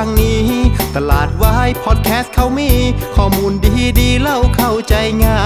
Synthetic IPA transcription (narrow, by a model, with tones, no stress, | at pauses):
ŋniː˦˥t̪a˧laː˨˩t̪̚waː˧ha˧˩jpʰɔː˧˩t̪̚kʰɛː˦˥st̪̚kʰa˧˩wmiː˧˥kʰɔː˧˩muː˧ndiː˧diː˧la˧˩wkʰa˧˩wt͡ɕa˧jŋaː˧˩